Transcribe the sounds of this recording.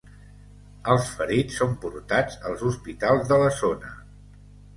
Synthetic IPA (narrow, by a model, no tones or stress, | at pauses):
əlˠsfəɾit͡ssːompuɾt̪ad͡zəlˠzuspit̪alˠzðələzonə